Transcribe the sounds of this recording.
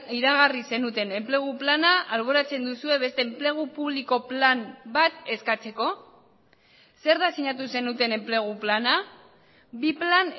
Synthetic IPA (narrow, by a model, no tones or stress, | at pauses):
iɾaɣ̞arise̞nut̪e̞ne̞mple̞ɣ̞uplanaalβ̞o̞ɾat͡se̞nd̪usue̞βe̞st̪e̞ːmple̞ɣ̞upuβliko̞plambat̪e̞skat͡se̞ko̞ | se̞ɾðasiɲat̪̬use̞nut̪e̞ne̞mple̞ɣ̞uplana | biplan